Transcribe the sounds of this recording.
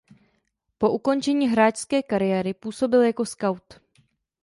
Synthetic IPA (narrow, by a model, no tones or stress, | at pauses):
po̞ʔuko̞nt͡ʃɛɲiːɦɾaːt͡ʃskɛːkaɾɪjɛːɾɪpuːso̞bɪljako̞skawt̪